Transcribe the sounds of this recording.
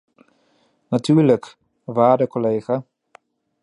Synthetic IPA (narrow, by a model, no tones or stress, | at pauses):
natyːɹlək | ʋaːdəkolejχa